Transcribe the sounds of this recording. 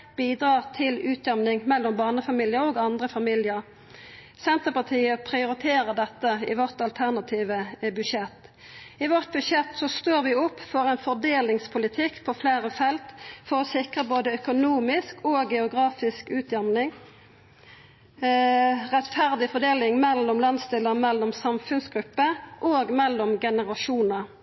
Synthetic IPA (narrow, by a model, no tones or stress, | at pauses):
b̥iːd̪ɾɑːʁt̪ʰɪlʉːt̪ʰjɛmnɪŋmɛlːɔmbɑːnəfɑmiːljəɾoːɡɑnd̪ʁəfɑmiljəʁ | sɛnt̪əpɑt̪ʰiːəpʰʁɪʊɾɪt̪ʰeːɾəd̪ɛt̪ːəɪ̰ʋɔʁt̪ɑlt̪ʰæʁnɑt̪ʰiːʋəbʉʃɛt̪ː | ɪʋɔʁt̪̚bʉʃjɛt̪sɔst̪oːʁʋɪʊpːfɔʁɛɪnfɔʁd̪eːlɪŋspʰʊlɪt̪ʰɪkːpʰɔfleːʁəfɛlt̪fɔʁɔsɪkʁəboːd̪əœkʊnuːmɪskʰoːɡɛʊɡʁɑːfɪskʉːt̪ʰjɛmnɪŋ | ʁɛt̪fæʁd̪ɪfɔʁd̪eːlɪŋmɛlːɔmlɑnst̪ɪləmɛlːɔmsɑmfʉnsɡɾʉpːəʔoːɡmɛlːɔmɡɛnəʁɑʃuːnə